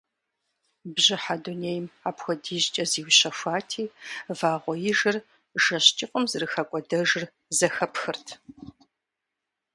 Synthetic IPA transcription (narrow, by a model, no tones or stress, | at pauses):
bʑɪħaduneːjmaːpxʷɔdiːʑt͡ʃʼɐziːwɕɐfʷaːtʰiːvaːʁʷɔjɪʒɨr | ʒɐɕt͡ʃʼɪqʷʼɔmzɨrɨxɐkʷʼɔdɐʒɨr | zɐxɐpxɨrtʰ